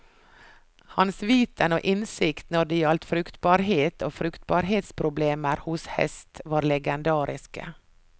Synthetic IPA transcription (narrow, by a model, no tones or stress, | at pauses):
hɑnsʋiːt̪əno̰ːʔɪnsɪkt̪nɔɖɪɑlt̪fɾʉkt̪bɑːɾɦeːt̪ʰoːfɾʉkt̪̚bɑːɾɦeːt̪spʰɾʊbleːməɾhʊshɛ̰st̪ʋɑːɾlɛɡɛnd̪ɑːɾɪskə̰